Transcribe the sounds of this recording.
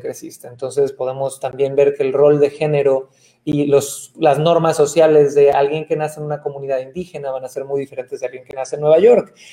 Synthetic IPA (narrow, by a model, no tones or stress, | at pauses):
kesist̪eːnt̪o̞ns̬e̞spo̞ð̞e̞mo̞st̪ambje̞mbe̞ɾke̞ːlro̞ld̪e̞xe̞ne̞ɾo̞ | iloslazno̞ɾmasːo̞sjale̞zðe̞alɣje̞ŋke̞nasenunako̞mũniðaðind̪ixe̞naβanase̞ɾmujðifeɾent̪e̞zðealɣje̞ŋke̞nase̞nweβaʝo̞ɾk